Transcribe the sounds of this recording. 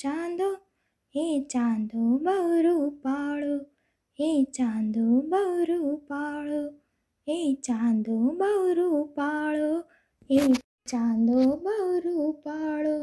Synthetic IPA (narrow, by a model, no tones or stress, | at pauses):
t͡ʃãːnd̪oː | eːt͡ʃãːnd̪oːbəɾupaːɭoː | eːt͡ʃãːnd̪obɐɾupaːɭoː | eːt͡ʃãːnd̪obɐɾupaːɭoː | e | t͡ʃãːnd̪oːbɐɾupaːɭoː